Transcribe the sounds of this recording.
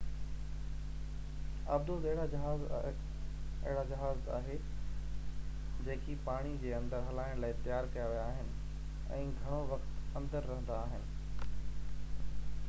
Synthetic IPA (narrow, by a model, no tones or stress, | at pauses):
a̰ːb̚d̪ot̪ɐɦɪɽad͡ʑɐɦaːz | ɐ̰ɦɪɽad͡ʑɐɦaːza̰ːɦe | d͡ʑeːkʰipaːɽ̃id͡ʑeːɐ̃nd̪əɾɦɐlaːɪɽ̃laːɪt̪ɐjaːɾkɐjaʋijaːɦɪnɪ̆ | ɛ̰̃ːɡʱɐɽ̃oʋɐxt̪ɐ̃nd̪əɾːɐɦə̃nd̪aːɦɪnɪ̆